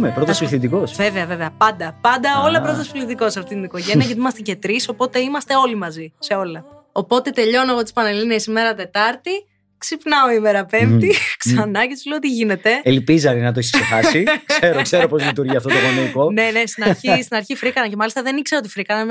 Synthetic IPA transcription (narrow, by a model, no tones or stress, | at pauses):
mepɾot̪ɐsflθid̪iko̞sve̞veɐve̞veɐpɐnd̪ɐpɐnd̪ɐo̞lɐpɾot̪ɐsfulit̪iko̞sɐft̪it̪iniko̞ʝeniɐcet̪nimɐst̪ece̞t̪ɾiso̞po̞t̪e̞imɐst̪e̞o̞limɐzise̞o̞lɐ | o̞po̞t̪e̞t̪e̞ʎo̞neɣo̞t̪ispɐnelinesime̞ɾɐt̪e̞t̪ɐɾt̪i | ksipnɐo̞imeɾɐpe̞mt̪iksɐnɐcet̪usleoot̪iʝine̞t̪e̞elpizɐninɐt̪oissexɐsikse̞ɾokse̞ɾopo̞zlit̪uɾʝiɐft̪ot̪oɣonoikone̞nest̪inɐçist̪inɐɾçifɾikɐnɐce̞mɐlist̪ɐðe̞nikse̞ɾoot̪ifɾikɐnɐn